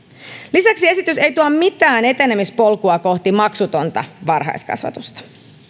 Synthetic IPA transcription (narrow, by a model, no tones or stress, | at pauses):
lisæksie̞sit̪yse̞jt̪uɑmmit̪æːne̞t̪enemispo̞lkuɑko̞ht̪imɑksut̪o̞nt̪ɑ̰ʋɑrɦɑ̰jskɑ̰sʋɑ̰t̪ust̪ɑ̥